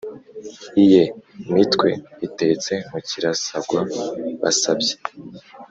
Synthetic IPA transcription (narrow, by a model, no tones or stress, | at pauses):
ije̞imitkwe̞̰ite̞t͡se̞m̥uciɾasabɡwaβa̰sabɟe̥